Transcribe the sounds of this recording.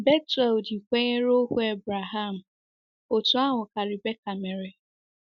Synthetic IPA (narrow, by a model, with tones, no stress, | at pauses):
be˦tɛ˨ldi˨kʷe˦ɲe˦ɾo˦kʷu˦e˦˨bɾa˨ɦa˦˨m̩˨ | o˨tu˨˦a˦ŋʊ˨ka˨ɾi˨be˦ka˨me˨ɾe˨